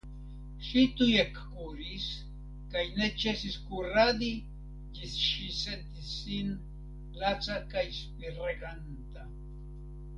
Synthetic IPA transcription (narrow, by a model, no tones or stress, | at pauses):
ʃit̪ujekkuɾis | kajnet͡ʃesiskuɾad̪i | ʎisʃiset̪isin | lat͡sakajspiɾeɢant̪a